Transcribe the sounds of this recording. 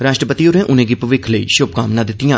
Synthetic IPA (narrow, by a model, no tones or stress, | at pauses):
ɾaːʃʈɾəpət̪ioːɾẽːʔʊnẽːɡɪpʋɪkʰləḭːʃʊb̚kaːmnãːd̪ɪt̪ːɪjãː